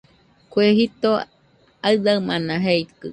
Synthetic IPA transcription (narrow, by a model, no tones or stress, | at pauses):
kʷeɦit̪o | aɨd̪aɨmanãɦeit̪kɨ